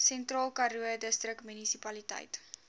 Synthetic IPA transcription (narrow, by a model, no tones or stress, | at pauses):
sɛntrɑːlˠkɐɾuədəstrəkmynisipɐlitə̰jt